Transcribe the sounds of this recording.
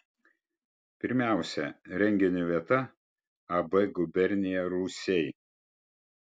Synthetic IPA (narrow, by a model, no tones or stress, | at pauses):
pʲɪɾʲmʲæˑʊsʲɛɾʲɛŋʲɡʲɪnʲuʋʲiɛt̪ɐ | ɐbɛɡʊbʲɛɾʲnʲɪjɛɾuːsʲɛɪ